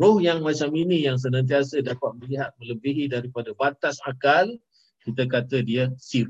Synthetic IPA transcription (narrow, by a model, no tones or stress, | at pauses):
ɾʊhjaŋmat͡ʃaminĩjaŋs̬ənãnt̪̬iasədapat̪̚mə̃liɦat̪̚mə̃ləbiɦidaɾipadabat̪asakal | kit̪əkat̪ədiəsiɾ